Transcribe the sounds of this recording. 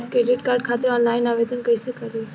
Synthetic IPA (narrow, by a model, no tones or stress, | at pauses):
kɾeːɖɪʈkaːɾɖkʰaːt̪əɾɔːnlaːɪnaːʋeːd̪ənkəisekəɾi